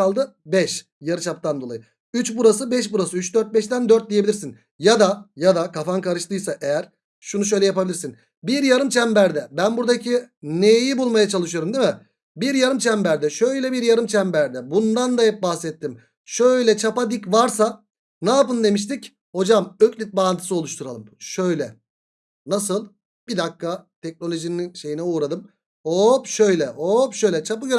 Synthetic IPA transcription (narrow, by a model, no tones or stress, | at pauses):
alˠd̪ɯ | bɛʃ | jaɾɯt͡ʃʰap̚t̪ʰand̪o̞lˠa̰jɯ | yt͡ʃbuɾas̬ɯbɛʃ̬buɾasɯyt͡ʃd̪øɾt̪̚bɛʃt̪ænd̪øɾt̪̚d̪ijeiiɾsin | jad̪ajad̪akʰafankaɾɯʃt̪ʰɯjsaʔejæɾ̥ | ʃunuʃ̬ø̞jlʲɛjapabilʲiɾsin | biɾjaɾɯmt͡ʃʰæmbæɾd̪ɛbænbuɾd̪acʰinejibulˠmajat͡ʃʰalˠɯʃɯjo̞ɾumd̪imɪ | biɾjaɾɯmt͡ʃʰæmbæɾd̪ɛʃø̞jlʲɛbiɾjaɾɯmt͡ʃʰæmbæɾd̪ɛbund̪and̪aɦɛp̚bahsɛt̪ʰːim | ʃø̞jlʲɛt͡ʃʰapad̪icvaɾsa | naːpɯnd̪e̞miʃ̬t̪ʰic | ho̞d͡ʒamøclʲit̪̚baːnt̪ʰɯ̥sɯo̞lˠuʃt̪ʰuɾalˠɯmʃø̞jlʲɛ | nasɯlˠ | bid̪akːat̪ʰɛc̚no̞lʲø̞ʒininʃe̞jinɛuːɾad̪ɯm | opʃø̞jlʲɛʔoːpʃøjlʲɛt͡ʃʰapɯɡø